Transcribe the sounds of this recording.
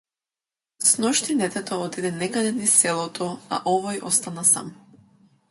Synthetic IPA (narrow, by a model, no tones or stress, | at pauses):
snɔʃt̪inɛt̪ɛt̪ɔɔt̪id̪ɛnɛkad̪ɛnisɛlˠɔt̪ʰɔa̰ʔɔvɔjʔɔst̪anasa̰m